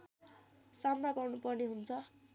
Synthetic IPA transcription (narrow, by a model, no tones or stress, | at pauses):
samnaɡʌrnupʌrneɦunt͡sʰʌ